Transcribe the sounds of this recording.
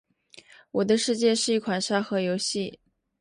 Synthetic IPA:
wɔ˨˩d̪ə˦ʂɻ̩˥˧t͡ɕjɛ˥˧ʂɻ̩˥˧i˥˩kʰwa˨˩nʂa˥xɤ˧˥jo˧˥ʊɕi˥˩

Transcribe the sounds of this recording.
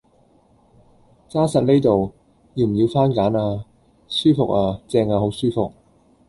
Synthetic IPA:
t͡saː˥sɐ˨t̚ne˥jt̪o˨w | ji˧m̩˨˩ji˨˧wfaː˥nkaː˨˥naː˧ | syː˥fʊ˨k̚aː˧t͡sɛː˧ŋaː˨˧ho˨˥wsyː˥fʊ˨k̚

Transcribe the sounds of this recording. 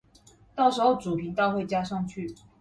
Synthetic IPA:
t̪ɑ˥˩ʊʂɻ̩˧˥xo˥˩ʊʈ͡ʂu˨˩pʰi˧˥ŋt̪ɑ˥˧ʊxwe˥˩ɪt͡ɕja˥ʂɑ˥˧ŋt͡ɕʰy˥˩

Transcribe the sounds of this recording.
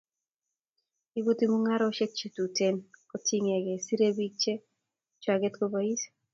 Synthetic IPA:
i˦bu˦t̪i˦mu˦ŋa˦ɾɔ˦ʃe˦k̚t͡ʃe˨tu˨te˦nkɔti˦ŋɛ˨ɡɛ˨si˦ɾe˦bi˦k̚t͡ʃe˦ | t͡ʃwaɡɛ˦t̪ko˦bai˦s

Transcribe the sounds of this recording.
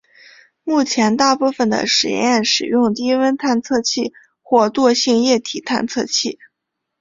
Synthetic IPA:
mu˥˩t͡ɕʰjɛ˧˥nt̪a˥˧pu˥˩fə˨˩nd̪ə̰˩ʂɻ̩˨˩jɛ̰˥˧jjɛ˥˩nʂɻ̩˨˩jʊ˥˧ŋt̪i˥wə˥nt̪ʰa˥˧nt͡sʰɤ˥˧t͡ɕʰi˥˧ | xwɔ˥˧t̪wɔ˥˧ɕi˥˧ŋjɛ˥˩t̪ʰi˨˩t̪ʰa˥˧nt͡sʰɤ̰˥˧t͡ɕʰi˥˩

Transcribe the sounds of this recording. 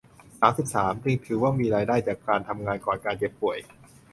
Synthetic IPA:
saː˩˦msi˨˩p̚saː˩˦mt͡ɕi˧ŋt̪ʰɯː˩˦waː˥˩miː˧ɾaː˧jdaː˥˩jt͡ɕaː˨˩kːaː˧nt̪ʰa˧mŋaː˧nkɔː˨˩nkaː˧nke˩˥pːu˨˩əj

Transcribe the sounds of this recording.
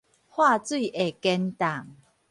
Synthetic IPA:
hwa˥˧t͡swi˥˨ʔe˨˩kɛ˧nt̪a˨˩ŋ

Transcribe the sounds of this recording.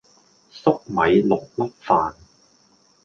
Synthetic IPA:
sʊ˥k̚mɐ˨˧jlʊ˨k̚lɐ˥t̚faː˨˧n

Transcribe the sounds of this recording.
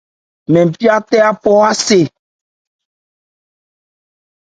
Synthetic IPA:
mɛ̃˨m̩˨pi˦a˦t̪ɛ˦a˦pɔ˦a˦se˨

